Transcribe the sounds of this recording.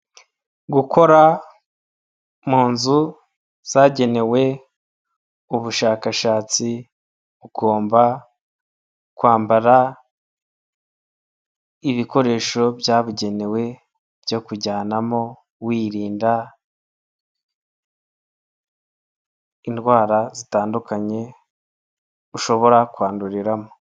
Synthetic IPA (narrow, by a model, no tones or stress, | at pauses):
ɡukʰo̞ɾa | muːnzu | z̥aɟe̞ne̞we̞ | uβuʃaːkaʃaːt͡si | uɡo̞ːmba | kwaːmbaɾa | iβiko̞ɾe̞ːʃo̞bjaːβuɟe̞ne̞we̞ | bjo̞kuɟaːnamo̞ | wiːɾiːnda | indɡwaːɾazitaːndukaɲe̞ | uʃo̞βo̞ɾakwaːnduɾiɾamo